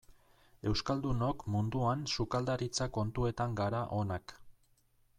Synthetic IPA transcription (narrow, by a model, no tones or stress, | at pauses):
e̞wskald̪uno̞kmund̪uansukald̪aɾit͡sako̞nt̪ue̞t̪aŋɡaɾaʔo̞nak